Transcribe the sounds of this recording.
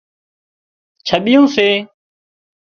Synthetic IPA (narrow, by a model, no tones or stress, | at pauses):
t͡ʃʰəɓɪjõːseː